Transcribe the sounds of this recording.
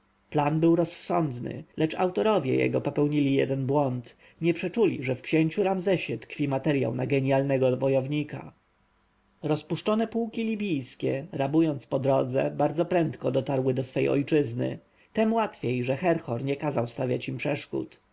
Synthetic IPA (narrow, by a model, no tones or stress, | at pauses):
planbɘwɾɔsːɔnd̪nɘ̰lʔɛt͡ʂa̰wt̪ɔɾɔvʲjɛ̰jɛ̰ɡɔpɔpɛwɲilʲijɛ̰d̪ɛnbwɔnt̪ | ɲɛpʂɛt͡ʂulʲḭʐɛfkɕeɲt͡ɕuɾamzɛɕɛt̪kfʲimat̪ɛɾja̰wnaɡɛɲijalnɛɡɔvɔjɔvɲika̰ | ɾɔspuʂt͡ʂɔnɛpuwkʲilʲibʲijskʲɛɾabujɔnt̪spɔd̪ɾɔd̪zɛ̰baɾd̪zɔpɾɛnt̪kɔd̪ɔt̪aɾwɘd̪ɔsfɛjʔɔ̰jt͡ʂɘznɘ̰ | t̪ɛmwat̪fʲjejʐɛxɛɾxɔɾɲɛkazawst̪avʲjat͡ɕimpʂɛʂkṵt̪